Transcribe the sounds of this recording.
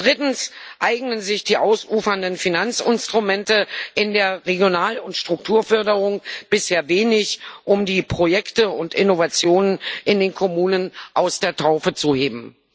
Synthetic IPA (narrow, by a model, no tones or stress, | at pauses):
d̥ʁɪtn̩sʔaɪɡnənzɪçd̥iːʔaʊsuːfɐndənfinant͡sɪnstʁ̥umɛntəʔɪndeːɐʁeɡjonaːlʊntʃtʁ̥ʊk̚tʰuːɐfœɐdəʁ̞ʊŋb̥ɪsheːɐveːnɪçʔʊmdiːpʁ̥ojɛktəʊntɪnovat͡sjoːnənʔɪndeːnkʰomuːnənʔaʊsd̥eːɐtʰaʊfət͡suheːbm̩